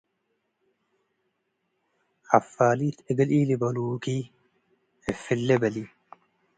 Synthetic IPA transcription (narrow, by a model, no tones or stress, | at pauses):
hɐfːaːliːt̪ɛɡɐliːlɪbɐluːkiː | ɛfːɪlːɛbɐli